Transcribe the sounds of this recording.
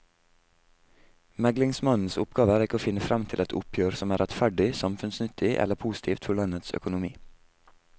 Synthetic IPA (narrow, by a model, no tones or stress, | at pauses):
mæɡlɪŋsmɑnn̩sʊpɡɑːʋəæːɾɪkəoːfɪnəfɾɑmt̪ʰɪlɛt̪ʰʊ̰pʰjøːɾsɔmæːɾʔɛt̪fæɖɪsɑmfʉnsnʏt̪ʰɪʔɛ̰ləpʰuːsɪ̥t̪ʰiːft̪fɔɭɑnət̪sœ̰kʊnʊmiː